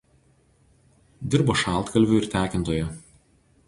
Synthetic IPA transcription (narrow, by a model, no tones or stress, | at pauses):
d̪ʲɪɾboːʃɑˑlˠt̪kɐlʲʋʲuːˑɪɾt̪ʲæːkʲɪnt̪oːjɛ